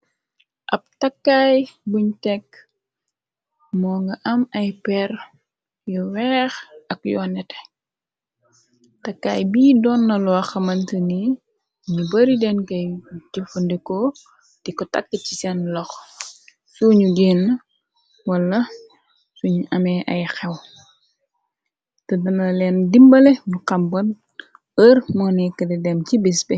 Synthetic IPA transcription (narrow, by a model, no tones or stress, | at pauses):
ʔɐp̚tɐkːaːjbuɲtɛkː | mɔːŋɡɐʔɐmɐjpɛr | jɔwɛːxɐkjɔnɛtɛ | tɐkːaːjbiːdɔnːɐlɔɐxɐmɐntəni | ɲubɐɾidɛnkɐjɟufɐndikɔ | d̥ikɔta̰kːəcisɛnlɔx | suɲuɡeːnːɐ | wɐlːɐ | suɲʔɐmɛʔɐ̰jxɛw | tɐdɐnɐlɛndimbɐlɛnuqɐmbɐn | ərmɔnɛkɐdɛdɛmcibisbɛ